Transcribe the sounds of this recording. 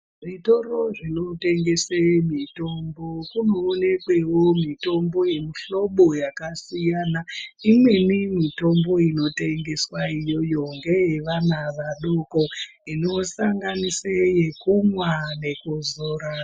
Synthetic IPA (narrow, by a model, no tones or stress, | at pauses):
ʐito̞ro̞ʐino̞te̞ŋɡe̞semito̞mbo̞kuno̞ːne̞kwe̞womito̞mbo̞je̞miɬo̞ɓo̞jakasijanaimwe̞nimito̞mbo̞ino̞te̞ŋɡe̞swaijo̞jo̞ŋɡejeʋanaʋaɗuko̞ | ino̞saŋɡaniseje̞kumwane̞kuzoːɾa